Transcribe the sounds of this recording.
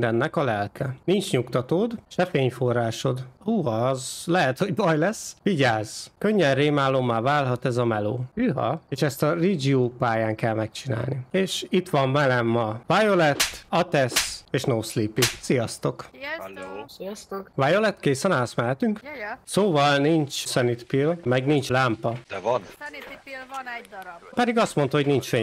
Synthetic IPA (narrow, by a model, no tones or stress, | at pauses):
d̪ɛnːɛkɒlɛlkʰɛnint͡ʃɲukt̪ɒt̪oːd̪ʃɛfeːɲforːaːʃo̞d̪uːɒzlɛɦɛt̪ho̞ɟbɒjlɛsʋiɟaːz̥køɲːɛnreːmaːlo̞mːaːvaːlɦɒt̪ɛzɒmɛlo̰ːyɦɒ̰eːʃɛst̪ɒrid͡ʒiopaːjaːŋkɛlmɛk̚t͡ʃina̰ːlnieːʃit̪ʋɒɱmɛlɛmːɒvajolɛt̪ːɒt̪ɛseːʃnoːslipisijɒst̪o̞k | vajolɛt̪keːsɛnaːlɒsmɛlɛt̪yŋksoːvɒlnint͡ʃsɛnit̪pilmɛɡnint͡ʃlaːmpɒd̪̥ɛvn | pɛd̪iɡɒst̪mo̞nt̪ɒɦo̞ɟnint͡ʃfeː